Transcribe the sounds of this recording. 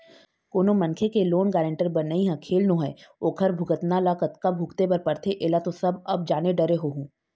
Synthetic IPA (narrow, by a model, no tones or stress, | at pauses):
koːnomɐ̃nkʰekeloːnɡɛːɾə̃ɳʈəɾbɐnɐiɦɛ̃kʰeːlnõːɦɛoːkʰɐɾbʱʊɡət̪nalakɐt̪kabʱuːkt̪ebɐɾpɐɾt̪ʰeʔeːlat̪osɐbɐb̚d͡ʒaːneɖɐɾeɦoːɦũː